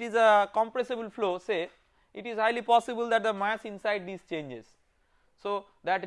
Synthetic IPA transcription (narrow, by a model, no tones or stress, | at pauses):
ʈizəkɔ̃mpɾesebəlfloːse | ɪʈizhaɪlipɔːsɪbəld̪æʈ̚d̪əmæsɪ̃nsaɪɖ̚d̪iːzt͡ʃẽːɲd͡ʒḛz̥ | soː | d̪æʈ